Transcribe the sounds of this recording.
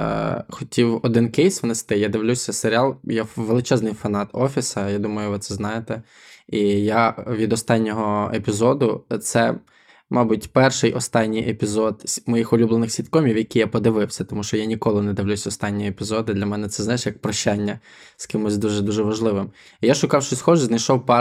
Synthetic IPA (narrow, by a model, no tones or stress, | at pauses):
xɔtʲʰiwɔd̪ɪnkɛjsʋnest̪ɪjad̪ɪwlʲusʲɐseɾʲɪɑlˠjaʋelˠɪt͡ʃɛznɪjfɐnɑt̪ɔfʲisɐjad̪umɐjʊʋɪt̪sɛznɑjet̪ɛ | ijaʋʲid̪ɔst̪ɑnʲːɔɦɔepʲizɔd̪ʊt̪sɛ | mɑbutʲpɛrʃɪjʔɔst̪ɑnʲːijʔepʲizɔd̪ʲmɔjixɔlʲublˠenɪxsʲit̪kɔmʲiwjɐkʲijapɔd̪ɪʋɪwsʲɐt̪ɔmuʃt͡ʃɔjanʲikɔlˠɪnɛd̪ɪwlʲusʲɔst̪ɑnʲːijiepʲizɔd̪ɪd̪lʲɐmɛnɛt̪sɛznɑjɪʃjɐk̚pɾɔʃt͡ʃːanʲːɐ | skɪmʊsʲd̪uʒɛd̪uʒɛʋɐʒlˠɪʋɪm | ijaʃʊkɑwʃt͡ʃɔsʲxɔʒɛznɐjʃɔwpɑ